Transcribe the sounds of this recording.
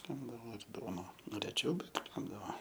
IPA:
ˈkʲæːbdɐʋoː ɪr ˈduɔnɐ ˈnʊ rʲɛˈt͡ʃʲɛʊ ˈbʲɛt ˈkʲæːbdɐʋoː

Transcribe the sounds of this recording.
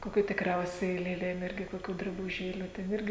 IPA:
koːˈkʲuː tʲɪkˈrʲɛʊsʲɛɪ lʲeːˈlʲeːm ˈɪrʲɡʲɪ koːˈkʲuː drɐbʊˈʒʲeːlʲuː ˈtʲɛn ˈɪrʲɡʲɪ

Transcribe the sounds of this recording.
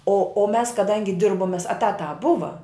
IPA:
oː oː ˈmʲɛs kɐˈdɐŋʲɡʲɪ ˈdʲɪrboːm mʲeːs ɛˈtɑːtɑː ˈbʊʋɐ

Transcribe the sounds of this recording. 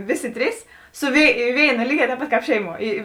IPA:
ˈʋʲɪˌsʲɪ ˈtʲrʲiːs sʊ ʋʲeːɪ ˈʋʲeːɪnɐ ˈlʲiːˌɡʲɛː tʲɛːp ˈpɐt kɑːp ˈʃʲɛɪˌmuɔ ˈiː

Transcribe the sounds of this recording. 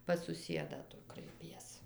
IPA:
pɐs sʊˈsʲiɛdɑː ˈtʊ krɐɪˈpʲiɛs

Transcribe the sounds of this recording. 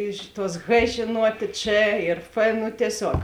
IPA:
ˈɪʃ ˌtuɔs x ʒʲeːˈnuɔtʲeː t͡ʃ ɪr f ˈnʊ tʲiɛˈsʲoːk

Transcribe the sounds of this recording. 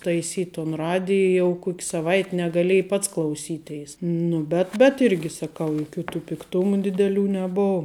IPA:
tɐɪˈsʲiːtʲ toːn ˈrɑːdʲɪj jɛʊ ˈkoːkʲ sɐˈʋɐɪtʲ nʲɛɡɐˈlʲeːj ˈpɐts klˠɐʊˈsʲiːˌtʲɛɪs ˈnʊ bʲɛt bʲɛt ˈɪrʲɡʲɪ sɐˈkɐʊ jʊˈkʲuː tuː pʲɪkˈtʊmʊ dʲɪdʲɛˈlʲuː nʲɛˈboːw

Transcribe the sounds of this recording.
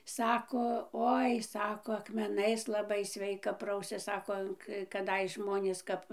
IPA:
ˈsɑːkoː ˈoːɪ ˈsɑːkoː ɐkmʲɛˈnɐɪs lˠɐˈbɐɪ ˈsʲʋʲɛɪkɐ ˈprɐʊsʲɛs ˈsɑːkoː kɐˈdɐɪs ˈʒmoːnʲeːs ˈkɐp

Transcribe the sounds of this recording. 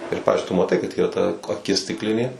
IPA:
ɪr ˈpɑːʋʲɪzʲd͡ʒʲʊɪ tʊ mɐˈtɐɪ kɐt ˈiːrɐ tɐ ɐˈkʲɪs sʲtʲɪkˈlʲɪnʲeː

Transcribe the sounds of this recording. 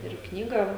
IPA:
ɪr ˈknʲiːɡɑː

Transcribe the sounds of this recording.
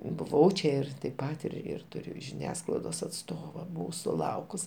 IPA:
bʊˈʋɐʊ t͡ʃʲɛ ˈɪr tɐɪp ˈpɐt ɪr ɪr ˈtʊrʲʊ ʒʲɪˈnʲæːsklˠɐɪdoːs ɐtˈstoːʋɐ ˈbʊʋɐʊ sʊˈlˠɐʊkʊs

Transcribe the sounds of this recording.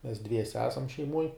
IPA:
mʲɛs ˈdʲʋʲiɛsʲɛ ˈæːsɐm ʃʲɛɪˈmuɔj

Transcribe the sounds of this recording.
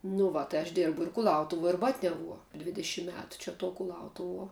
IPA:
nʊ ˈʋɐ tɐɪ ɐʃ ˈdʲeːrbʊ ɪr kʊˈlˠɐʊtʊʋuɔ ɪr ˈbɑːtʲnʲɛʋuɔ ˈdʲʋʲɪdʲɛʃʲɪm ˈmʲæːtʊ t͡ʃʲɛ tuɔ kʊˈlˠɐʊtʊʋuɔ

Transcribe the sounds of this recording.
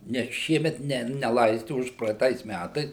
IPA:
ˈnʲɛs ˈʃʲiɛmʲɛt ˈnʲɛ nʲɛˈlˠɐɪsʲtʲɪ ˌʊʃprɐɛɪˈtɐɪs ˈmʲætɐɪs

